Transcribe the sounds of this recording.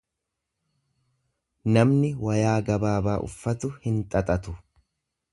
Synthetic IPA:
nɐmnɪwɐjaːɡɐbaːbaːʔʊ̰fːɐt̪ʊhɪnt̪ʼɐt̪ʼɐt̪ʊ

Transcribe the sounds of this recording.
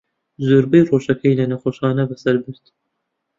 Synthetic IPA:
zuɾbɨjroːʃɐkʰɐjlɐnɐχʷoʃχɑːnɐvɐsɐɾbɨɾt̪ʰ

